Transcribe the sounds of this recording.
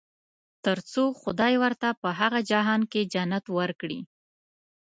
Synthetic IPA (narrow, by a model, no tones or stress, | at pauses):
t̪əɾt͡soxʊd̪ɑjwəɾt̪apəɦaɣad͡ʒaɦɑnked͡ʒanat̪wəɾkɽḭ